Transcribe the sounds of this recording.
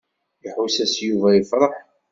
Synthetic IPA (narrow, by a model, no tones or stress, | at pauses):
jəħwisæsjuvæjəfɾˤəħ